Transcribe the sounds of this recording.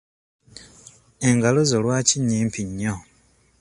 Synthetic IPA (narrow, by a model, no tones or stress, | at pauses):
e̞ŋɡalozolwaːciɲiːmpʰiɲːo